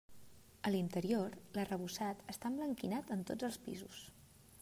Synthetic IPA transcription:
əlint̪əɾioɾlərəβusat̪əst̪ambləŋkinat̪ənt̪od͡zəlˠspḭzus

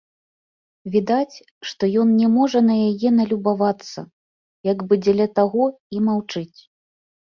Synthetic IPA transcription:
vʲid̪at͡sʲ | ʂt̪ɔjɔnnʲɛmɔʐɐnɐjajɛnɐlʲubavat̪sːɐ̰ | jaɡbɨd͡zʲɛlʲɐt̪aɣɔ | imawt͡ʂɨt͡sʲ

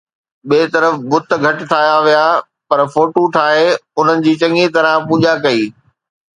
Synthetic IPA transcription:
ɓeːt̪ɐɾəfbʊt̪̆ʰɡʱɐʈ̆ʈ̪ʰaːjaʋijaː | pɐɾfoːʈoʈʰaːɦeʊn̤ənɪ̆d͡ʑiːt͡ɕɐ̃ŋit̪ɐɾãpuːʄakɐiː

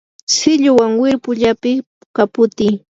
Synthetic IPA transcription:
sɪʎʊwaŋwɪɾpʊʎapɪ | kapʊt̪ɪj

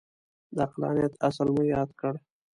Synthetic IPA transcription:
d̪əaqlɑ̰njat̪asəlmujɑd̪kəɽ

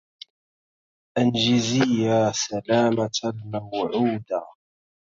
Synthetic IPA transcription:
ʔanʒɪzɪjːaːsalaːmalmawʕuːd̪aː

